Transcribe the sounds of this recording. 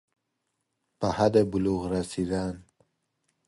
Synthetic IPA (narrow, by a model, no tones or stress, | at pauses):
pahad̪ebuluɣɾasid̪an